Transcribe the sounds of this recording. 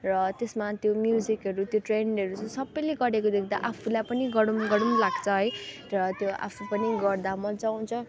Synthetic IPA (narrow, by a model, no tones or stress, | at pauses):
rʌt̪esmat̪jomjud͡zikʌɾut̪joʈreɳɖʌɾut͡sʰʌ̃sʌbːʌjleɡʌɾekod̪ekʰd̪a̰ʔapʰulajpʌniɡʌɽumɡʌɽumlaɡt͡sʰʌɦʌj | rʌt̪joʔa̰pʰupʌniɡʌrd̪amʌd͡zaw̃t͡sʰʌ